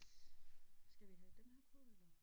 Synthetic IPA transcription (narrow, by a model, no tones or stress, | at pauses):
sɡ̥æʋiɦɛd̥emhæɐpʰɔelɐ